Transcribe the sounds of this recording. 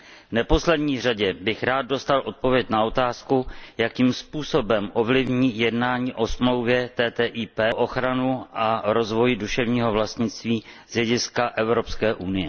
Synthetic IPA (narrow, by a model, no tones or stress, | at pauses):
vnɛpo̞slɛdɲiːraɟɛbɪxɾaːd̪̚do̞st̪alʔo̞t̪̚po̞vjɛcnao̞t̪aːskujakiːmspuːso̞bɛmʔo̞vlɪvɲiːjɛdnaːɲiːʔo̞smlo̞wvjɛt̪ɛːt̪ɛːʔiːpɛːʔo̞xɾanuʔaɾo̞zvo̞jɪduʃɛvɲiːɦo̞vlast̪ɲɪt͡st̪viːz̥jɛɟɪskaʔɛvɾo̞pskɛːʔunɪjɛ